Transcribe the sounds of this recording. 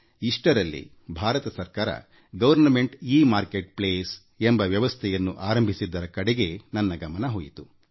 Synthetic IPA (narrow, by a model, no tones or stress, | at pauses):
iʂʈɐɾɐlːḭ | bʱaːɾɐt̪ɐsɐɾkaːɾɐ̰ | ɡɐʋɐɾnɐme̞ɳʈiːmaːɾkeʈ̚pleːs | embɐʋjɐʋɐst̪ʰɛjɐnːuʔaːɾɐmbʱisid̪ːɐɾɐkɐɽeɡe̞nɐnːɐɡɐmɐnɐɦoːjit̪u